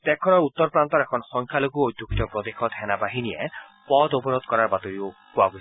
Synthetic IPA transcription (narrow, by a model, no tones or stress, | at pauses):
t̪ɛkʰɔnɔut̪ːɔɾpɾant̪ɔɾɛkʰɔnɔsɔŋkʰjaloɡuojd̪ʱjukitɔpɾɔd̪exɔd̪ʱɛnabaɦinijepɔd̪opɔɾɔd̪̚kɔɾaɾbat̪ɔɾiopuaɡo